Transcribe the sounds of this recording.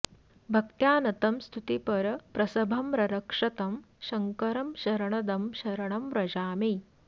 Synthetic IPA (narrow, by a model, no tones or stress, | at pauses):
bʱɐk̚t̪jaːnɐt̪ɐmst̪ʰut̪ipɐɾɐpɾɐsɐbʱɐmɾɐɾɐkʂɐt̪ɐm | ʃɐŋkɐɾɐmʃɐɾɐɳɐd̪ɐmʃɐɾɐɳɐmɾɐd͡ʒaːmi